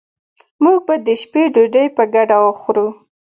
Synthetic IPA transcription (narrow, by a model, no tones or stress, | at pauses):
muɡ̚bad̪əʃpeɖuɖəjpəɡaɖawəxɾu